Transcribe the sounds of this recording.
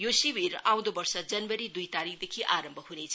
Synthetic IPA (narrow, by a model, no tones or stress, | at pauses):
josibiɾaw̃d̪obʌrsʌd͡zʌnwʌɾid̪ujt̪aɾik̚ʰd̪ekʰiʔaɾʌmbʱʌɦuɾet͡sʰ